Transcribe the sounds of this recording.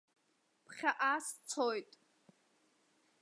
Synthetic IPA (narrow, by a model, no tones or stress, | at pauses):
pʰχʲaʔaːst͡sʰojtʼ